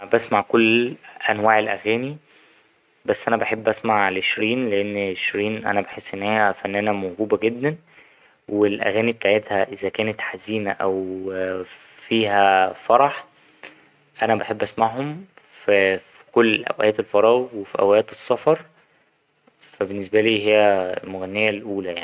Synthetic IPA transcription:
bæsmaʕkolːʔænwaːʕelʔæɣæːni | bæsːʔænæbeħebːʔæsmaʕelʕeʃɾiːnleʔenːeʃɾiːnʔæ̰næbeħesːʔenːeːhæfænːæːnæmoɡuːbæɡed̪ːæn | welʔæ̰ɣæːnibet̪aʕet̪hæʔezækæːnet̪ħaziːnæʔæw | fiːɦæfɑɾˤɑħ | ʔænæbaħebːʔæsmaʕhom | fæfi̥kolːʔæ̰wʔæːt̪elfɑɾˤɑːɣwefiʔæ̰wæjæːt̪esˤːɑfɑɾˤ | fæbenːesbæliːɦejːælmoɣænːejælʔuːlæjaʕi

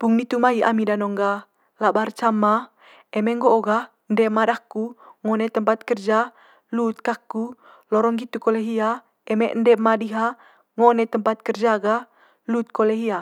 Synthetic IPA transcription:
puŋnit̪umaɦiʔa̰midanɔŋɡa | labart͡ʃama | ɛmɛŋɡoʔoɡa | əndɛmadakuŋɔnɛt̪əmpat̪̚kərd͡ʒa | lut̪̚kaku | lɔɾɔŋɡit̪ukoleɦia | ɛmɛʔndɛmadiɦa | ŋonɛt̪əmpat̪̚kərd͡ʒaɡa | lut̪̚koleɦia

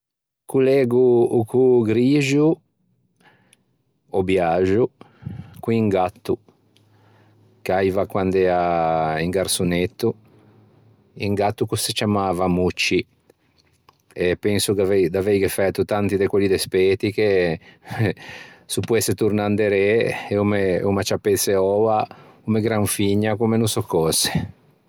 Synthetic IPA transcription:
kulɛːɡuːkʰuɡɾiːʒu | ɔbjaʒu | kuiŋɡat̪ːu | kajvakwand̪ɛaiŋɡaɾsunet̪ːu | iŋɡat̪ːukuset͡ʃamaːvamut͡ʃːi | epɛnsukavɛjd̪avɛjɡefɛt̪ːut̪ant̪id̪ekwelːid̪espɛːt̪ike | supːuɛsːet̪uɾnand̪eɾeumeumat͡ʃapet̪seɔakumeɡɾaɱfiɲːakumenusɔkːɔse̥

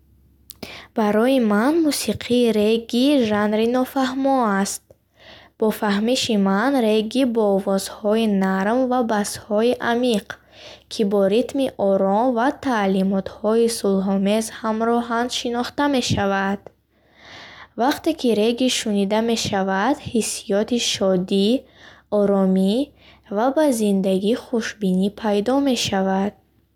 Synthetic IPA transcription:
b̥aɾɔjimanmusiqʰiːɾeɡiʒanɾinɔfahmɔast̪̚ | b̥ɔfahmiʃimanɾeɡibɔvɔzhɔinaɾmvabashɔiʔamiq | kʰibɔɾit̪miʔɔɾɔmvat̪ʰalimɔt̪hɔisulɦɔmezhamɾɔɦanʃinɔχt̪ame̞ʃavad̪̥ | vaqt̪e̞kʰiɾeɡiʃunid̪ame̞ʃavad̪hisːijɔt̪iʃɔd̪iɔɾɔmi | vabazind̪aɡiχuʃbinipʰajd̪ɔme̞ʃavad̪̥̚

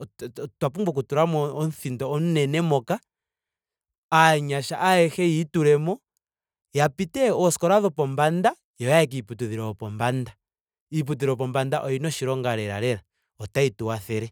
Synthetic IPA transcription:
twapumbuk̬utuɾamɔɔnθindɔɔnnɛnɛmɔka | aɲaʃa̰ʔaɛxɛituɾɛmɔ | japitɛɔskɔɾaðɔpɔmbanda | jɔjaɛk̬iiputuðiɾɔɔpɔmbanda | ip̬ut̬iɾɔpɔmbandaʔɔinɔʃiɾɔŋɡaɾɛɾa̰ɾɛɾa | ɔtaituwaθɛɾɛ

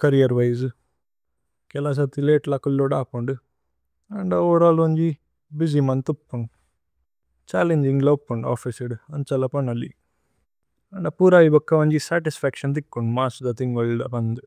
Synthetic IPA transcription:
kɐɾijɐɾʋɐjz | kɛlɐs̬ɐt̪ileːʈlɐkulːoɽaːpuɳɖu | ɐɳɖɐoːɽaːlɐɲd͡ʒi | bizimɐnt̪upːuɳɖ | t͡ʃaːleɲd͡ʒiŋɡlɐpːuɳɖa̰ːfisiɖɐnt͡ʃɐlɐpɐnɐlḭ | ɐɳɖɐpuɾaːʋibɐkːɐʋɐɲd͡ʒisaːʈisfʰɛkʂɐnt̪̬ikːuɳɖmaːsud̪ɐt̪iŋɡɐɭɖɐpɐnd̪u

